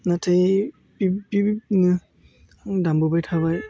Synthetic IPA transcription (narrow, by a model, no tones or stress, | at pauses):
natʰej | pibinɯ | dambubajtʰabaj